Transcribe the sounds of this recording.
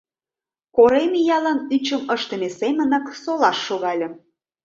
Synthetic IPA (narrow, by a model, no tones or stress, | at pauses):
koɾemejɑlɑnyt͡ɕə̆məʃt̪ə̆mesemə̆nɤ̆ksolɑʃːoɣɑlʲə̆